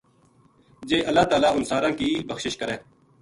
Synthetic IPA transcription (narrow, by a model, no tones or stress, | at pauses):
d͡ʒeːʔəlːaːt̪aːlaːʊnsaːɾãːkiːbəxʃɪʃkəɾẽː